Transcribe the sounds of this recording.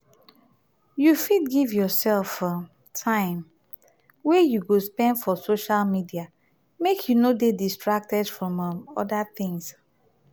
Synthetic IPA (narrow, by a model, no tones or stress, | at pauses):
jufidɡivjɔsɛlf | tʰãɪ̃m | wɛjuɡospɛ̃ndfɔsoʃalmidia | mekʰjunodedistɹak̚tɛdfɹɔ̃mɔ̰daθɪ̃ŋs